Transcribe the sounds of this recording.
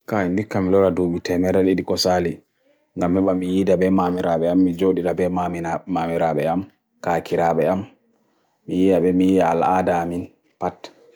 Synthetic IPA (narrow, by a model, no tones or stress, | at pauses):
kaindikːamilɔɾadoɓitɛmɛɾaɗiɗikɔsali | ŋɡamːiɓamːijidabɛmamiɾaɓɛamːid͡ʒoɗiɗabɛmaminamamiɾaɓɛam | kakiɾaɓɛamː | ijijaɓɛmijijaa̰ladamin | pat